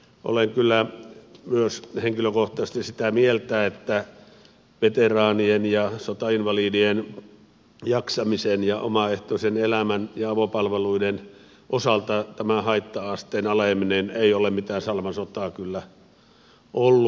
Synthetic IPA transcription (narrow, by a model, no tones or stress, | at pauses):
ʔo̰leŋkylːæmyøsheŋkiløkoht̪ɑst̪issit̪æmielt̪æet̪ːæ | ʋet̪erɑːnienjɑsot̪ɑinʋɑliːdien | jɑksɑmisenjɑʔo̰mɑeht̪oˑisenelæmænjɑɑʋopɑlʋeluiden | ʔosɑlt̪ɑt̪æmæhɑit̪ːɑɑst̪eːnɑlemineneiolemmit̪æːnsɑlmɑsot̪ˑɑːkylːæ | ʔolːu